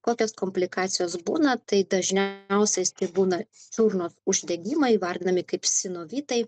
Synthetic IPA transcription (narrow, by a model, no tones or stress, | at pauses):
koːkʲoːskoːmʲpʲlʲɪkɑːt̪sʲɪjoːsbṵːnɐt̪ɐɪd̪ɐʒʲnʲɛʊsʲɛst̪ɐɪbuːnɐt͡ʃʲuɾnoːsʊʒʲd̪ʲɛɡʲiːmɐɪʋɐɾʲd̪ʲɪnɐmʲɪkɐɪpsʲɪnoːʋʲiːt̪ɐɪ